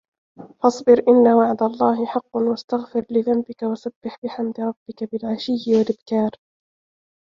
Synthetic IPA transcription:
fɑsˤbɪɾʔɪnːawaʕd̪alˤːɑːɦɪħɑqːʊnwast̪aɣfɪɾlɪðambɪkawasabːɪħbɪħamd̪ɪɾˤɑbːɪkabɪlʕaʃɪːɪwalʔɪbkaːɾ

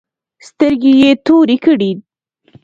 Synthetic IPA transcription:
st̪əɾɡejet̪oɾikəɽi

